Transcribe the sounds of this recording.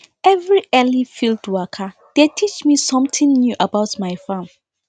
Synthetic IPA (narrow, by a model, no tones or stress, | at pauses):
ɛvɹiʔɛlifildwakʰa | d̥etʰit͡ʃmisɔ̃mt̪ʰɪ̃ŋnjuʔabaʊtmaɪjfãm